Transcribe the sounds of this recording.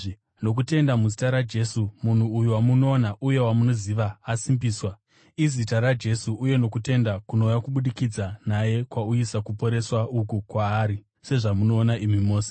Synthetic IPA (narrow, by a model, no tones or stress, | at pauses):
no̞k̬ute̞ndamuzitaɾad͡ʒe̞sumun̤uːjuwamunoːnaʔuje̞wamuno̞ziʋaːsimbiːswa | izitaɾad͡ʒe̞suuje̞no̞kute̞ndakuno̞jakuɓuɗikid͡zanaje̞kwauisakupo̞ɾe̞swaukukwaːɾi | se̞ʐamuno̞ːnaimimo̞ːse̥